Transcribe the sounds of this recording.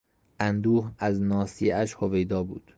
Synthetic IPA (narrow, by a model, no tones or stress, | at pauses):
ʔænd̪uːhæznɒːsiæʃhovejd̪ɒːbuːd̪̥